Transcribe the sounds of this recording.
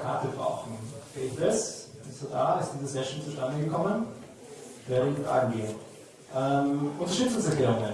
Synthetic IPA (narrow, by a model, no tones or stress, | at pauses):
kʰaɐtəbʁa̰ʊxn̩ʔeːbn̩dɛsd̥isodaːɪstd̥iːzəsɛʃn̩t͡suʃtandəɡəkʰɔmən | vɛːɐənfʁa̰ːɡŋ̩ɡeːn | ʔɛːmʔʊntɐʃtʏt͡sʊŋsɛɐklɛːʁʊŋən